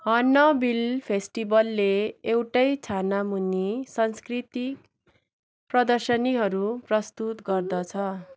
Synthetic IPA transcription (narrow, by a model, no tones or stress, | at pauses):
ɦʌnːʌbilpʰesʈibʌlːeːwʈʌjt͡sʰanamunisʌnskrit̪ik | prʌd̪ʌrsʌniɦʌɾuprʌst̪ut̪ɡʌrd̪ʌt͡sʰʌ